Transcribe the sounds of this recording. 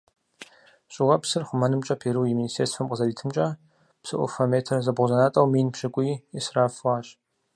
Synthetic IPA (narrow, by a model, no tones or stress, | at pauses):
ɕʼɪʁɐpsɨrχʷʊmɐnɨmt͡ʃʼɐpʰeːɾuːjiministʰeːsfɐmqʼəzɐriːtʰɨmt͡ʃʼɐ | psɨʔʷʊ̰fɐmeːtʰɐrzɐbʁʷʊzɐnaːtʼɐwmiːnpɕɪkʷʼiɛsraːfʁɑːɕʼ